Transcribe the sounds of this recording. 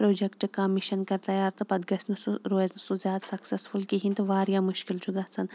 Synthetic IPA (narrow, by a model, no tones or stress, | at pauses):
pɾoːd͡ʒekʈɨkɐmiʃɐnkɐɾt̪ɐjaːɾt̪ɨpɐd̪̚ɡɐsʲnɨsuɾoːeznɨsuzjaːd̪sɐksɐsfulkiɦint̪ɨʋaːɾjaːmuʃkilt͡ʃʰuɡɐt͡sʰɐn